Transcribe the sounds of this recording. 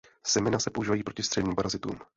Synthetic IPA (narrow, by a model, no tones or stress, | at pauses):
sɛmɛnasɛpoʔuʒiːvajiːpɾo̞cɪst̪r̥ɛdɲiːmpaɾazɪt̪ṵːm